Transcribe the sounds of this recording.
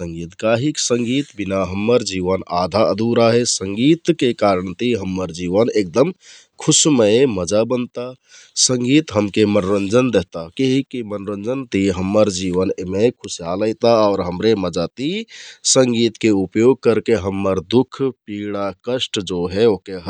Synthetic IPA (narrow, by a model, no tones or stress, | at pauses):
sə̃ŋɡit̪kaɦiksəŋɡit̪binaɦəmːəɾd͡ʒiʋəna̰d̪ʱaəd̪ʱuɾaɦesəŋɡit̪kekaɾəɳt̪iɦəmːəɾd͡ʒiʋənek̚d̪əm | kʰusməməd͡ʒabənt̪a | səŋɡit̪ɦəmkemənɾənd͡ʒənd̪eɦt̪akeɦikimənɾənd͡ʒənt̪iɦəmːəɾd͡ʒiʋənemekʰusijaləɪt̪aɔʊɾɦəmɾeməd͡ʒat̪isəŋɡit̪keupjoɡ̚kəɾkeɦəmːəɾd̪ukʰpiɽ̃akəsʈd͡ʒoɦɛokeɦ